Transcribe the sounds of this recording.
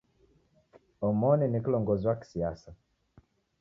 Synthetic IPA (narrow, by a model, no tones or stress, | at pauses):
ɔmɔninikilɔŋɡɔziwaki̥siasa